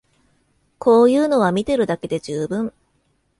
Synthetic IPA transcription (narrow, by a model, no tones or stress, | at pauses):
kʰo̞ːjɯ̟ːno̞β̞amʲit̪e̞ɾɯ̟d̪ake̞d̪e̞ʑɨːbɯ̟̃ɴ